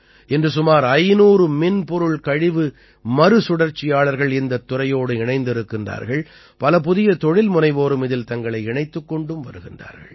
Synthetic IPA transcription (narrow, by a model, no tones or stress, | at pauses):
ɛndrɯsʊmaːɾɐɪnuːɾɯmɪnpɔɾɯɭkɐɻɪʋɯ | mɐɾɯsʊɽɐɾt͡ʃːɪjaːɭɐɾɣɐɭɪnd̪ɐt̪ːʊrɐjoːɽɯɪɳɐɪnd̪ɪɾɯkːɪndra̰ːɾɣɐɭ | pɐlɐp̬ʊðɪjɐt̪ɔɻɪlmʊnɐɪʋoːɾɯmɪðɪlt̪ɐŋɡɐɭɐɪɪɳɐɪt̪ːɯkːɔɳɖɯmʋɐɾɯɣɪndra̰ːɾɣɐ̰ɭ